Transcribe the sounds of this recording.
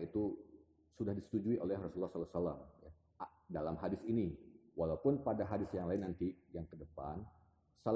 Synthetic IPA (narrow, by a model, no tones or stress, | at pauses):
it̪u | sudahdisə̥t̪ud͡ʒuiʔolɛhrɔsulːɔhslasalamja | ʔa | dalamɦadɪsiniwalaupʊnpadaɦadɪsjaŋlaɪnːant̪ijaŋkədəpa̰n | sal